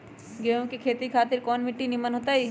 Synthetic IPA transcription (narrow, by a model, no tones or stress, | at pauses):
ɡeːõkikʰeːt̪ikʰaːt̪ɪɾkɔːnmɪʈːinimənɦoːt̪aiː